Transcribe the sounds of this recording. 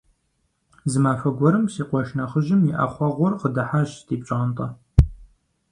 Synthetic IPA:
zɨmaːfɐɡʷɔɾɨmsiːqʷɔʃnɐχəʒɪmjiʔa̰χʷɑʁʷɔrqədɐħaʒtʰiːpɕʼɐʁɐntʼɐ

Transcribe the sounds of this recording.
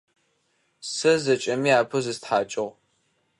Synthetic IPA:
sɐzɐt͡ʃʼɐmiːaːpʰɨzɨstħaːt͡ʃʼɪʁ

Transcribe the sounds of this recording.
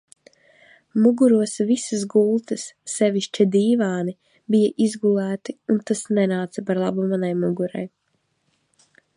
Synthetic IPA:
muɡuɾuɔsvisas̬ɡulˠt̪ɨsːɛviʃt͡ʃid̪iːvaːni | bijaʔizɡulˠæːt̪iunt̪asnɛnaːt̪sɐpaɾlˠa̰bumanajmuɡuɾa̰j

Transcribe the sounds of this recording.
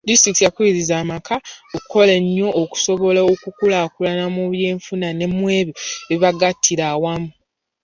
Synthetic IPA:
distɾiktjakuiɾizaːmakʰaokkʰo̞le̞ɲːo̞ʔːku̥so̞βo̞leokukulakulanamuβje̞ːɱfunane̞mwe̞ːβjoβiβaɡatʰːiɾaːwamu

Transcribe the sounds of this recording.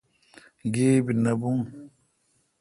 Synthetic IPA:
ɡeːbinabuŋ

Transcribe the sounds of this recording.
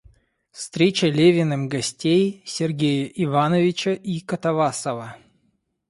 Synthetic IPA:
fst̪ɾʲet͡ɕəlʲevʲɪnɨmɡɐsʲtʲejsʲɪrɡʲejəʔivanəvʲɪt͡ɕəʔikət̪ɐvasəvə

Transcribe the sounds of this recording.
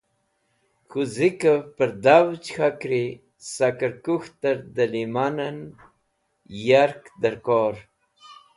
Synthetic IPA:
xuzikapəɾd̪awt͡ʃxakɾi | sakaɾkuxt̪əɾd̪əlimanan | jaɾkd̪əɾkoɾ

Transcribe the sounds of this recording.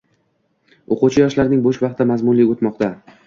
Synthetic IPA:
oqut͡ʃʰɪjɒʃlaɾnɪŋboʃvɑq̚t̪ːamazmʊnlɪot̪mɒqt̪a

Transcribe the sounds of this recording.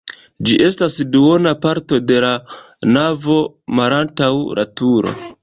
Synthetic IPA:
d͡ʒiʔe̞stasduo̞napaɾto̞de̞la | navo̞ | malantawɾʔatuɾo̞̰

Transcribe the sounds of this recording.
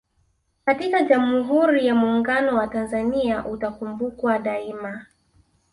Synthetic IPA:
katikaʄam̩uɦuɾijamuːŋɡanɔwatanzaniaʔutakumbukwaɗaima

